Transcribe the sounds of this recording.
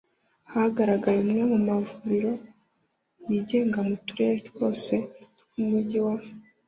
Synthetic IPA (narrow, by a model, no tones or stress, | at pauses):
hahaɡaɾaɡajemŋemumavuɾiɾo̞ | jiɟe̞ːŋɡamutuɾeɾitwo̞ːse̞ | umuɟiwa